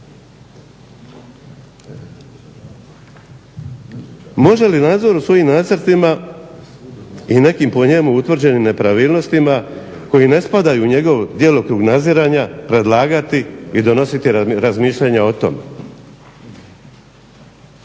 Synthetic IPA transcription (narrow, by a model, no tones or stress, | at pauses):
mo̞ʒe̞linaːd̪zo̞ɾusʋo̞jimnaːt̪sɨɾt̪ima | ine̞kimpo̞ɲe̞muut̪ʋr̩d͡ʑe̞nimne̞pɾaʋiːlˠno̞st̪ima | ko̞jine̞spad̪ajuɲe̞ɡo̞ʋd̪je̞ːlˠokɾuːɡnad̪ziɾaːɲapɾe̞d̪lˠaːɡat̪iid̪o̞no̞sit̪iɾazmiːʃʎaɲao̞t̪o̞̰me